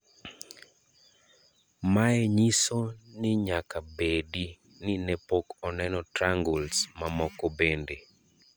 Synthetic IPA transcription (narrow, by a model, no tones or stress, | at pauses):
maɛɲisonɪɲakabedi | nɪnɛpokɔnɛnɔtɾaŋɡulsmamɔkɔbende